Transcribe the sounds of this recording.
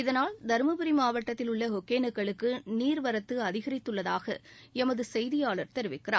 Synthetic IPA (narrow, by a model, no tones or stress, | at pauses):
ɪðɐnaːɭd̪ɐɾmɐbɪɾimaːʋɐʈːɐt̪ːɪlʊɭːɐɦɔkːeːnɐkːɐɭɯkːɯniːɾʋɐɾɐt̪ːɯɐðɪɣɐɾɪt̪ːɯɭːɐðaːɣɐ̰ | ɛmɐðɯsɛjðɪjaːɭɐɾt̪ɛɾɯʋɪkːɪra̰ːm